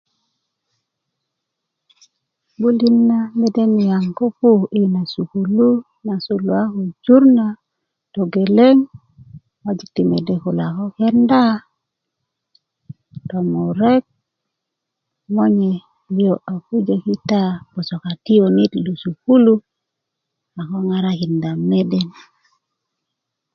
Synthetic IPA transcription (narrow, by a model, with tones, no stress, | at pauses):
bu˦li˦nːa˦me˦de˦ni˨ja˨ŋko˦pu˦˨i˦na˨su˨ku˨lu˦ | na˨su˨lu˨a˦ko˨d͡ʒu˦ɾna˨ | to˨ɡe˨le˦ŋ | wa˦d͡ʒi˨k̚ti˨me˨de˦˨ku˨la˨ko˦ke˦nda˦ | to˨mo˨ɾe˦k̚ | mo˦ɲe˨ | li˦o˨ʔa˨ku˦d͡ʒe˦ki˦ta˦b̥o˨so˨ka˨ti˦o˨ni˦t̪lu˨su˨ku˦lu˦ | a˨ko˦ŋa˦ɾa˦ki˨nda˨me˦de˦n